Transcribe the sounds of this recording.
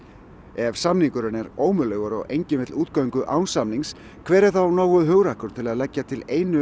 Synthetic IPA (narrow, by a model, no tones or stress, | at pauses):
ɛvsamniŋkʏɾʏnɛɾoːwmʏlœːɥɣaɾɔ̰ɣejɲcɪnvɪt̪luːt̪kœɥŋkʏʔaːwnsamniŋs | kʰvɛːɾɪɾ̥θawnoːwʏðɦʏɣɾahkʏɾt̪ʰɪlaðlɛcːat̪ʰɪleːjnʏ